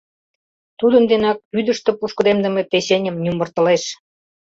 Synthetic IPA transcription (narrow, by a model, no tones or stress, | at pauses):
t̪ud̪ə̆nd̪enɑk̚pyd̪ə̆ʃt̪ĕpuʃkɤ̆d̪emd̪ə̆mepeɕenʲə̆mnʲumbə̆rt̪ə̆leʃ